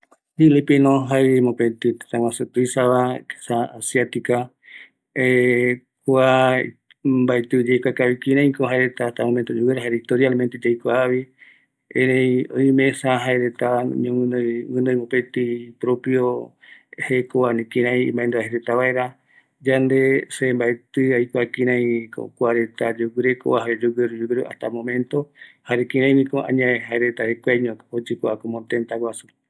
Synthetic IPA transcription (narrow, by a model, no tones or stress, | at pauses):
d͡ʒilipinõɦaeemopet̪it̪e̥t̪ãŋwãsɨt̪uisaβake̥saasiat̪ika | e | kua | mbaet̪ɨd͡ʒejkʷakaβikiɾãĩkoɦaeɾet̪aht̪amomẽnt̪od͡ʒuweɾaɦaeɾit̪oɾialment̪ed͡ʒejkʷaβi | ẽnejojmẽsaɦaeɾet̪aɲõŋɨ̃noɨ̃nõj̃mopet̪ipɾopjo | hekoanĩkĩɾ̃ãj̰̃mbãend̪uaɦeɾet̪aβae̞ɾa | d͡ʒand̪e̞sembaet̪ɨajkʷakĩɾ̃ãj̃ko̰kʷaɾet̪ad͡ʒoɡɨɾeko̰ʔaɦaɾed͡ʒuɡeɾud͡ʒuɡɾuʔa̰ht̪amõmẽnt̪o̞haɾekĩɾãj̃mĩkoʔã̰ɲãẽɦaeɾet̪ahekʷaɲõod͡ʒekʷaakomõt̪ent̪awasu